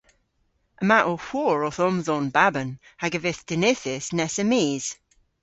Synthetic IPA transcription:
əmaʔohwɔːɹɔθɔmzɔnbabən | haɡəvɪθd̥ɪnɪθɪsnɛsəmiːz̥

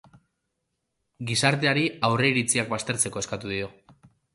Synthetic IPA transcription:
ɡisaɾt̪̬e̞aɾiawre̞iɾit͡siak̚bast̪e̞ɾt͡se̞ko̞eskat̪uðio̞

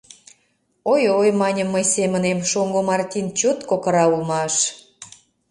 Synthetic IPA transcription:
ojojmɑnʲəmːəjsemənemʃoŋɡomɑrt̪ʲint͡ɕot̪kokə̆ɾɑulmɑʃ

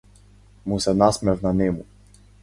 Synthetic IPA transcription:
musɛnasmɛvnanɛmu

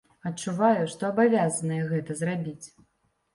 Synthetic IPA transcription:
ɐtt͡ʂːuvajuʂt̪ɔɐbavʲazɐnɐjɛɣɛt̪ɐzrabʲit͡sʲ

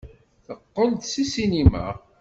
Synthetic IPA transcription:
θəqːənt̪sisinima̰

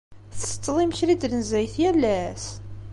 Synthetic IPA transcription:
θsə̥t͡s̪ˤːðˤiməçɾid̪lənzæjθjælːæs

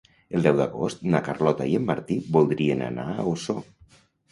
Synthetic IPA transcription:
əlˠd̪ɛwða̰ɣo̰st̪nakarlɔt̪aieəmːaɾt̪ibulˠd̪ɾiəna̰na̰oso

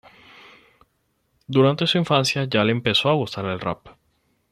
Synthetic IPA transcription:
d̪uɾant̪e̞suiɱfansjaʝaleːmpe̞so̞aɣust̪aɾelra̰p

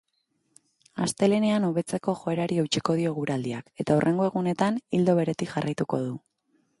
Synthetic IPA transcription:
ast̪e̞le̞ne̞anoβe̞t͡se̞ko̞ʝo̞e̞ɾaɾiewt͡ʃiko̞ð̞io̞ɣuɾald̪iake̞t̪aurʔe̞ŋɡo̞e̞ɣune̞t̪anild̪o̞βe̞ɾe̞t̪ikʝarʔajt̪uko̞ð̞u

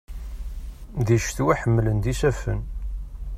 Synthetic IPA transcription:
ðiʃθwæħəmːlənd̪isæfən

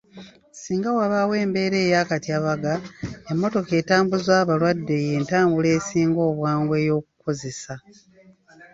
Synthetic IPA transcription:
siːŋɡawaβawe̞ːmbe̞ːɾe̞ːjaːkatjaβaɡaemːo̞to̞ke̞ːtaːmbuzwaːβalwadːe̞je̞ːntaːmbule̞ːsiːŋɡo̞ːβwaːŋɡwe̞ːjo̞ːku̥ko̞ze̞sa

